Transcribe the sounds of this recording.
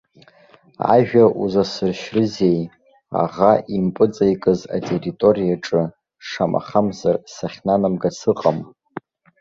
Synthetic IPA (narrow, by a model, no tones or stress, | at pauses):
a̰ʒᶣauzasɨrʃrɨze̞j | a̰ʁaʔimpʼɨt͡sʼajkʼɨza̰tʼeritʼo̞rijaʈ͡ʂʼɨ | ʂamʔa̰χamzarsaχʲnanamɡasʰɨqʼam